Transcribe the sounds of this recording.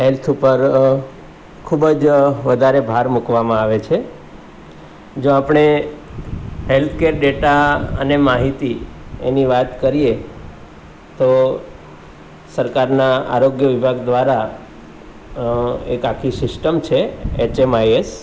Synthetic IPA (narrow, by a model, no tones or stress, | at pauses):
ɦelt̪ʰupəɾ | kʰubəd͡ʒʋəd̪ʱaɾebʱaɾmukʋamãaʋet͡ʃʰe | d͡ʒoapɽ̃e | ɦelt̪ʰkeɾɖeʈaənemaɦit̪ieniʋat̪kəɾije | t̪o | səɾkaɾnaa̰ɾoɡjəʋɪbʱaɡd̪ʋaɾa | ekakʰisɪsʈəmt͡ʃʰeet͡ʃemajes